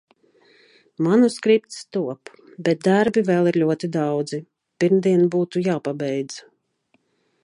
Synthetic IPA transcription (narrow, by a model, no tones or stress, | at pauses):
manuskɾip̚t̪st̪uɔp | bɛt̪̚d̪aɾbivɛːlˠiɾlʲuɔt̪id̪awd̪zi | piɾmd̪iɛnbuːt̪ujaːpabɛjd̪z̥